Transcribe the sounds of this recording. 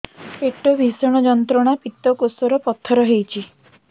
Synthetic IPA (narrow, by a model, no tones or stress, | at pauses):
peʈɔbʱisɔɽ̃ɔd͡ʒɔnt̪ɾɔɽ̃apit̪ɔkosɔɾɔpɔt̪ʰːɔɾɔɦejt͡ʃʰi